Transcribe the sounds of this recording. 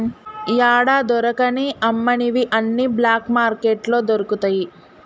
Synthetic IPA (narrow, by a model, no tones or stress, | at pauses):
jaːɽaːd̪ɔɾɐkɐniʔɐmːɐɳiʋiʔɐnːiblaːkmaːɾkeːʈlo̞ːd̪oɾukut̪ɐːji